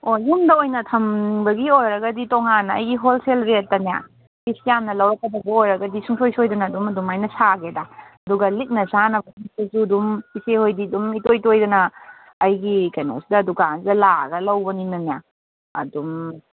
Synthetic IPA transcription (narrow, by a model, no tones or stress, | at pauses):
ojumdɐojnɐtʰɐmbɐɡiojɾɐɡɐditoŋanːɐɐ̰jɡiɦolselɾet̚ːɐnija̰ | bisjamnɐlɐwɾɐkːɐbɐɡɐojɾɐɡɐdisuŋsʰojsojdɐnɐːdumɐdumajnɐsaɡedaɐduɡɐlit̚nɐsanɐbɐsisesuɐdumpisehojdidumitojtojdɐnɐː | jɡikɐjno̰sudɐːduɡanzɐla̰ɡɐlɐwbɐninɐnija | ɐdum